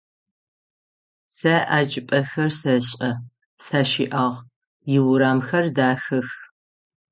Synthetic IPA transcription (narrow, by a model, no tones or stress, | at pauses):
sɐʔaːd͡ʒɪpʼɐxɐrsɐɕʼɐ | saːʃḭːʔaːʁ | jɪwʊɾaːmxɐrdaːxɨx